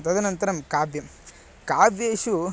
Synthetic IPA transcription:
t̪ɐd̪ɐnɐnt̪ɐɾɐmkaːbjɐm | kaːbjeːʃu

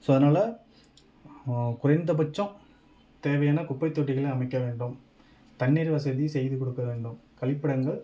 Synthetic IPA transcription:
soːɐðɐnaːlɐ | kʊɾɐɪnd̪ɐp̬ɐt͡ʃːɐ̃ | t̪eːʋɐjaːnɐkʊpːɐɪt̪ːoːʈːɪɣɐɭeɐmɐɪkːɐʋeːɳɖɯm | t̪ɐɳːiːɾʋɐsɐðisɛjðɯkɔɽɯkːɐʋeːɳɖɯmkɐɭɪpːɪɽɐŋɡɐɭ

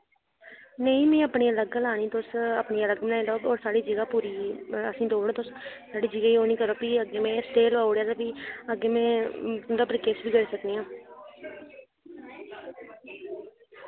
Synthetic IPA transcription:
nəĩːmɛ̃ːəpɳiːələɡlaːniːt̪ʊsəpɳiːələɡmnaːiloːbɔːɾsaːɽiːd͡ʒəɡaːpuːɾiːə̰sĩːd̪oːɽːt̪ʊssaːɽiːd͡ʒəɡaːiːoːniːkəɾoːpiːəɡeːmɛ̃ːsʈeːlʋaːʊɽjaːd̪aːpiːəɡeːmɛ̃ːd̪aːpɾəkeːsbiːɡəɾiːsəkniːãː

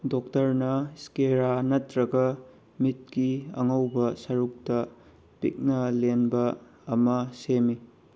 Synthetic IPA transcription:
dok̚tɐɾnɐskeɾanɐtɾɐɡɐ | mit̚kiɐ̰ŋɐwbɐsɐɾuk̚tɐ | pḭk̚nɐlenbɐː | mɐsemi

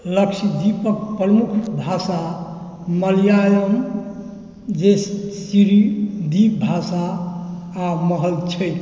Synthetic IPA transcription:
ləksid̪ipək̚pɾəmukʰbʱasa | məlijajəm | d͡ʒessiɾid̪ip̚bʱasaː | məɦəlt͡ʃʰəj

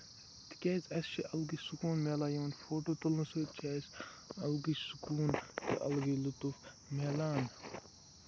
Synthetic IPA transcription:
t̪i̥kʲeːt͡sɐst͡ʃʰiʔɐlɡisukuːnmelaːjoːnfoːʈoːt̪ulusoːt͡ʃʰaːs | ɐlɡisu̥kuːnt̪iʔɐ̰lɡilut̪uf | meːlaːn

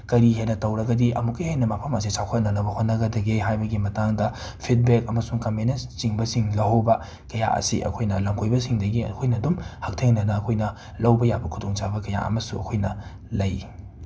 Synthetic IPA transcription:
kɐɾiɦenɐtɐwɾɐɡɐdiʔɐmukːɐjhejnɐmapʰɐmɐs̬isawkʰɐt̚nɐnɐbɐhotnːɐɡɐdɐɡeɦajbɐɡimɐtaŋdɐ | pʰit̚bek̚ɐmɐsuŋkɐmenest͡ʃiŋbɐsiŋlɐɦowbɐ | kɐja̰ʔɐ̰sḭʔɐ̰kʰojnɐlɐmkʰojbɐsiŋdɐɡiɐ̰kʰojnɐdumhɐk̚tʰeŋnɐnɐːkʰojnɐ | lɐwbɐjabɐkʰudoŋt͡ʃabɐkɐja̰ʔɐ̰mɐsuɐ̰kʰojnɐ | lɐj

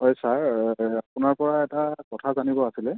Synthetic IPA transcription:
ɦɔjsaɹapʊnaɹpɔɹaɛtakɔtʰazanibɔasilɛ

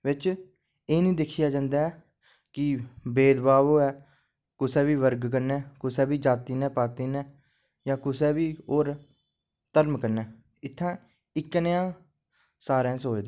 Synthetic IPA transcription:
ʋɪt͡ʃ | eːnĩːd̪ɪkʰːɪjaːd͡ʒãːnd̪aːɛː | kɪbeːd̪baːʋoːɛː | kʊsɛːʋiːʋəɾɡkəɾnɛːkʊsɛːbiːd͡ʒaːt̪iːnɛ̃ːpaːt̪iːnɛ̃ː | jãːkʊsɛːbiːɦoːɾ | t̪əɾmkəɾnɛː | ɪt̪ʰːãː | ɪknəjãː | saːɾɛ̃ːsoːed̪eː

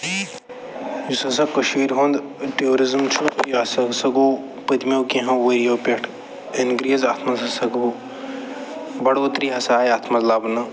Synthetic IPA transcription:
jusɐs̬ɐkːɐʃmiːɾɦõnd̪ʈeoːɾizmt͡ʃʰupjɐsɐɡsɐɡo | pɨt̪mewkẽɦɐ̃ʋɐɾijoːpeʈʰ | inɡɾiɐzaːt̪ʰmɐzɐsɐɡɦo | bɐɽoːt̪ɾiɦɐsaːjaːt̪ʰmɐzlaːbnɐ

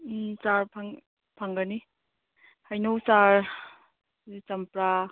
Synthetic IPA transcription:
t͡ʃaɾpʰaŋ | pʰaŋɡani | hajnowt͡ʃaɾ | t͡ʃɐmpɾa

